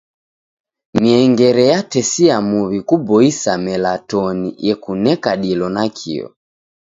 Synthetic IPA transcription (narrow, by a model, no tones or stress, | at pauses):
miɛŋɡɛɾɛjatɛsiamuβikubɔisamɛlatɔnijɛkunɛkaɗilɔnakʰḭɔ̰